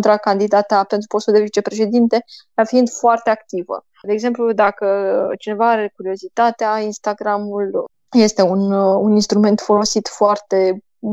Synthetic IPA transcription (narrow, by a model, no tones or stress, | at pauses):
nt̪ɾakand̪id̪at̪ape̞nt̪ɾupo̞st̪uld̪evit͡ʃe̞pɾe̞ʃe̞d̪int̪e̞afiind̪foart̪e̞akt̪ivə̰ | d̪eːɡze̞mplud̪akət͡ʃine̞vaaɾe̞kuɾio̞zit̪at̪eainst̪aɡɾamul | je̞st̪e̞ununinst̪ɾume̞nt̪fo̞lo̞sit̪foart̪e̞